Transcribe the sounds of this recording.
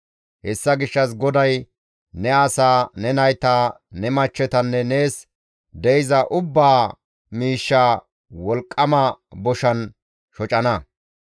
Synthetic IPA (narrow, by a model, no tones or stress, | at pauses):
hɛsːɐɡɪʃːɐs̬ɡɔd̪ɐj | nɛɐsaːnɛnɐjt̪aːnɛmɐt͡ʃːɛt̪ɐnːɛne̞ːs | d̪ɛjɪzɐʔʊbːaː | miːʃːaː | wɔlkʼːɐmɐbɔʃɐn | ʃɔt͡ʃʼɐnɐ